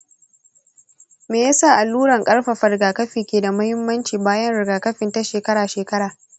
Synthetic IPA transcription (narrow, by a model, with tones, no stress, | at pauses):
meː˨ja˦saː˦˨ʔa˨lːuː˦ɽɐ˨ŋkʼɐ˦ɽɸa˨ɸɐ˨ɾɪ˨ɡaː˨kɐ˦ɸiː˨kʲeː˨da˨mɐ˦hɪ˦mːɐ˦nt͡ʃiː˨baː˦jɐ˦nɽɪ˨ɡaː˨kɐ˦ɸɪ˨nta˦ʃeː˨kɐ˦ɽaː˨ʃeː˨kɐ˦ɽaː˨